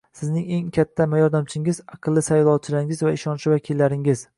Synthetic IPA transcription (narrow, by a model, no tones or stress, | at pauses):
sɪznɪŋe̞ŋkʲʰat̪ʰːamajɒɾd̪amt͡ʃʰɪŋɪzɑqʰɨlˠːɪsajlˠɒt͡ʃʰɪlaɾɪŋɪzvaɪʃɒnʃɪvakʲʰɪlːaɾɪŋɪz̥